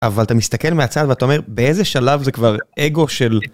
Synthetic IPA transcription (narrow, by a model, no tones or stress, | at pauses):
avalat̪amist̪ake̞lmeat͡sad̪veat̪ao̞me̞ʁbeezeʃalavzekvaʁʔeɡo̞ʃe̞l